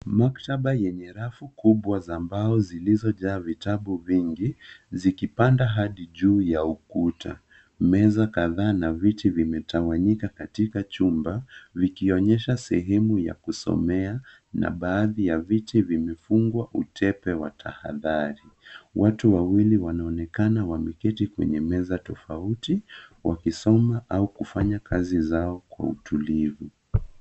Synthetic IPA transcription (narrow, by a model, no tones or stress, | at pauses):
mak̚taɓajɛɲɛɾafukuɓwazambaɔzilizɔʄaːvitaɓuviŋɡizikipandaɦaɗiʄuːjaukuta̰ | mɛzakaðaːnavitivimɛtʰawaɲikakatikat͡ʃumbavikiɔɲɛʃasɛɦɛmuja̰kusɔ̰mɛa | nʔa̰ɓaːðijavitivimɛfuŋɡwaʔutʰɛpɛwa̰tʰa̰ha̰ðaɾiwʔatuwawiliwanaɔnɛkanawamikɛtikwɛ̰ɲɛmɛzatɔfautiwakisɔmaʔaukufaɲakʰazizaɔkwa̰utulivu